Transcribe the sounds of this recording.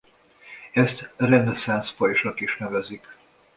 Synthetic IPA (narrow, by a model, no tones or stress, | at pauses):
ɛst̪rɛnɛsanspɒjʃɒkiʃnɛvɛzik